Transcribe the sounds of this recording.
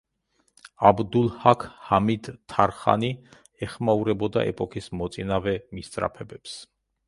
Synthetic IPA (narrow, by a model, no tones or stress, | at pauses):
abd̪ulˠhakʰhamid̪ʰaɾχa̰ni | ɛχmauɾɛbɔd̪a̰ʔɛ̰pʼɔkʰismɔt̪sʼinavɛmist̪sʼɾa̰pʰɛbɛps